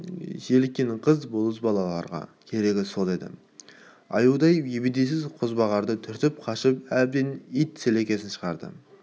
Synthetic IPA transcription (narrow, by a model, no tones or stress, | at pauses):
ʒelkʲːenqʰəzbolˠəsbɑlˠɑlˠɑ̰ɾʁɑ̰kʲʰe̞ɾe̞ɡʲɪso̞lˠe̞d̪ɪ̰ | ɑ̰juwd̪ɑjjebed̪es̬ɪzqʰʊzbɑʁɑɾd̪ət̪ʰʏɾt̪ɪp̚qʰɑʃɪpæb̚d̪enijt̪sele̞kʲe̞sɪnʃə̥ʁɑɾd̪ə̰